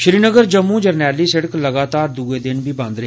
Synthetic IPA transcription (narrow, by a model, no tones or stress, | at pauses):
ʃɪɾiːnəɡəɾd͡ʒəmːũːd͡ʒəɾnɛːliːsɛɽɪkləɡaːt̪aːɾd̪uːeːd̪ɪnbʱiːbãːnd̪ɾeɦeː